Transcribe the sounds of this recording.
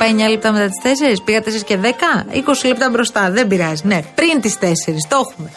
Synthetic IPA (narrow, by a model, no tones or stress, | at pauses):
pɐjmɲɐliep̚t̪ɐme̞t̪ɐt̪i̥st̪e̞se̞ɾispiɣɐt̪e̞seɾisce̞ðekɐiko̞silep̚t̪ɐbɾo̞st̪ɐðebiɾɐzine̞pɾint̪ist̪e̞se̞ɾist̪o̞xume̞